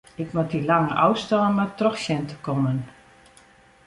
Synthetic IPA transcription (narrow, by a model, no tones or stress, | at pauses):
ɪkmatilaŋəʔɔwstɔːəmatrɔxsjɛntəkɔmən